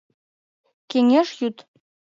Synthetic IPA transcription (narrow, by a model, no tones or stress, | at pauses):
keŋeʃjut̪